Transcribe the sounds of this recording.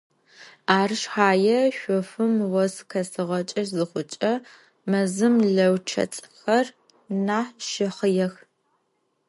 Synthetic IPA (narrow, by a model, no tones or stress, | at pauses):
aːrɨʂħaːjɛʃʷɔfɨmwɔskʰɐsɨʁɐt͡ʃʼɐʃzɨχʷʊt͡ʃʼɐ | mɐzɨmɮɐwt͡ʃʰɐ̰t͡sʼxɐr | naːħʃɪχəjɛx